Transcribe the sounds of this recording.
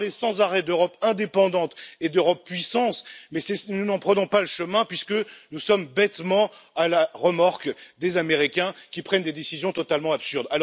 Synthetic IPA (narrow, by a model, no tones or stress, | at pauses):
lesɑ̃zaʁɛd̪øʁɔpɛ̃d̪epɑ̃d̪ɑ̃t̪ed̪øʁɔpːɥisɑ̃smɛsɛsnunɑ̃pχənɔ̃paləʃəmɛ̃pɥiskənusɔmbɛt̪mɑ̃alaʁəmaʁkd̪ezameʁikʲɛ̃kʲipχɛnd̪ed̪esizjɔ̃t̪ɔt̪almɑ̃apsyʁd̪al